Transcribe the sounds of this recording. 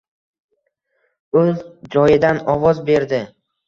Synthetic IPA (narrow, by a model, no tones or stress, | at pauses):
ɵzd͡ʒɒjɪd̪anɒvɒzbe̞ɾd̪ɪ